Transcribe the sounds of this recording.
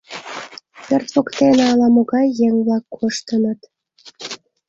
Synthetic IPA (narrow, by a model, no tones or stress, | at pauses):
pørt̪βokt̪eneɑlɑmoɣɑjːeŋβlɑkːoʃt̪ənət̪